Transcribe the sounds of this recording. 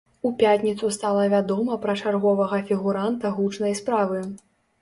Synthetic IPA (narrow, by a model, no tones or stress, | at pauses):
upʲat̪ʲnʲit̪sust̪alˠɐvʲad̪ɔmɐpɾɐt͡ʂarɣɔvɐɣɐfʲiɣuɾant̪ɐɣut͡ʂnɐjspɾavɨ